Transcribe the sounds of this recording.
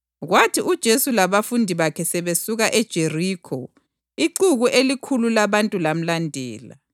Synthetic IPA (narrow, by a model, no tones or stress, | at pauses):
ɣwatʰiud̥ʒ̥ʱesulaβafundʱiβakʰɛsɛβesuɣaʔɛd̥ʒ̥ʱeriːkʰɔ | iǃuɣuʔelikʰululaβantʼulam̩landʱɛ̰ːla̰